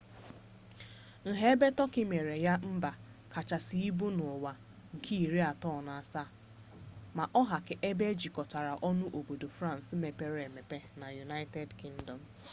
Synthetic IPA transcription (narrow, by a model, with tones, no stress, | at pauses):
ŋ̩˨ɦe˦be˦tɔ˦kɪ˦me˨ɾe˨ja˦m̩˦ba˨ | ka˨t͡ʃa˨si˨i˦bu˦no˨wa˨ | ŋ̩˨kʰi˦i˨ɾi˦a˨tɔ˦˨na˨a˨sa˦ | ma˨ʔɔ˦ɦa˨kɪ˨ʔe˦be˦d͡ʒi˨kɔ˨ta˨ɾa˨ʔɔ˦nʊ˦ʔo˨bo˨do˨fɾa˦˨n̩˨sme˨pe˦ɾe˨me˨pe˦na˨ju˨na˦ɪ˦te˦dki˦ŋ̩˦dɔ˨m̩˨